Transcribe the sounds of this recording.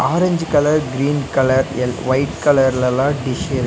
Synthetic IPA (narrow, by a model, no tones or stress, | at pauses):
aːɾɐɲd͡ʒɯkɐlɐɾɡɾiːnkɐlɐɾɛlʋɐɪʈ̚kɐlɐɾɪlɛlãːɖɪʃeːɾ